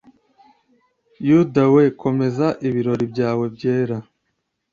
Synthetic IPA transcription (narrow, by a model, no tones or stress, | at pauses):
judawe̞kʰo̞me̞zaʔiβiɾo̞ɾibɟaːwe̞bɟeːɾa